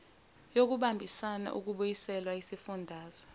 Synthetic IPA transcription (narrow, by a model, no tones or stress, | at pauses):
jok̬uɓambʱisana̰ʔuk̬uɓujisɛlwaisifundʱaːz̥ɔ̥